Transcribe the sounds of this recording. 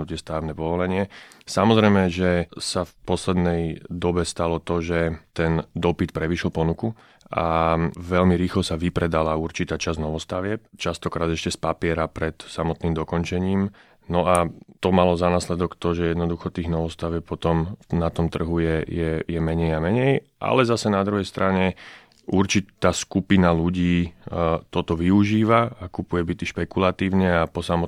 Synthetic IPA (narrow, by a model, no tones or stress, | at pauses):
ut̪ɪɛst̪aːʋnɛpɔʋɔlɛɲɪɛ | samɔzɾɛjmɛʒɛsafpɔslɛd̪nɛjd̪ɔbɛst̪alɔt̪ɔʒɛt̪ɛnd̪ɔpit̪pɾɛʋiʃlpɔnuku | ʔa̰ʋɛʎmiɾiːxlɔsaʋipɾɛd̪alauɾt͡ʃit̪aːt͡ʃaznɔʋɔst̪aʋɪɛp̚t͡ʃast̪ɔkɾaːd̪ɛʃcɛspapɪɛɾapɾɛt̪samɔt̪niːmd̪ɔkɔnt͡ʃɛɲiːm | nɔat̪ɔmalɔzanaːslɛd̪ɔkt̪ɔʒɛjɛd̪nɔd̪uxɔt̪iːɣnɔʋɔst̪aʋjɛp̚pɔt̪ɔmnat̪ɔmt̪r̩ɦujɛjɛjɛmɛɲɛjamɛɲɛjʔa̰lɛzasɛnad̪ɾuɦɛjst̪ɾaɲɛ | uɾt͡ʃit̪aːskupinaluɟiː | t̪ɔt̪ɔʋiuʒiːʋaakupujɛbit̪iʃpɛkulat̪iːʊɲɛapɔsamɔ